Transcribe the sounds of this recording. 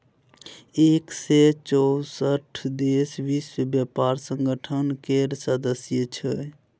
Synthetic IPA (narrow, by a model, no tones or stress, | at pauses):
ekset͡ʃɔwsəʈʰd̪esbisbjəpaɾsə̃ŋɡəʈʰənkeɾsəd̪əsjət͡ʃʰə